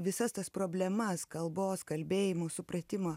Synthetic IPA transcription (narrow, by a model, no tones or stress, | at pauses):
ʋʲɪsɐst̪ɐspɾoːbʲlʲɛmɐskɐlˠboːskɐlʲbʲeːjɪmoːsʊpɾɐt̪ʲɪmoː